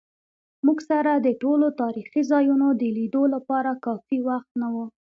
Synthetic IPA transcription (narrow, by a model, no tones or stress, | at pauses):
muɡsaɾad̪əʈolot̪ɑɾixizɑjunod̪əlid̪olapɑɾakɑfiwaxt̪nawu